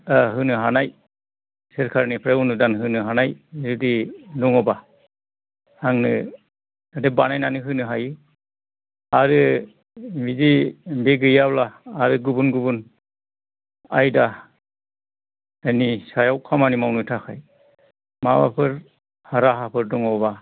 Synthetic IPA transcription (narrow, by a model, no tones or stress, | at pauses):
aɦɯnɯɦanaj | sɯɾkʰaɾnipʰɾeunɯdanɦɯnɯɦanajzudinuŋɔba | haŋnɯ | adebanajnanɯɦɯnɯɦajɯ | aɾɯ | mizimbeɡɯjablaːɾɯɡubunɡubun | a̰jda | anisajawkʰamanimawnɯtʰakʰaj | maba̰pʰɯɾ | haɾaɦapʰɯɾdɔŋɔba